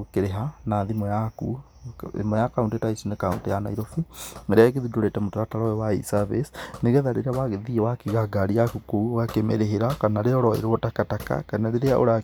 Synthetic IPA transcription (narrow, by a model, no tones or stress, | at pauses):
okeɾeɦanaðimɔjaku | ḛmɔjakauntetaisinekauntejanaiɾofieɾeaeɣeðudoɾetɛmotaɾataɾɔewaḭsavisneɣɛðaɾeɾeawaɣeðiewakiɣaɡaɾiakukouoɣakemɛɾeɦeɾakanaɾeɔɾɔḛɾoɔtakataka̰kanaɾeɾeaʔo̰ɾa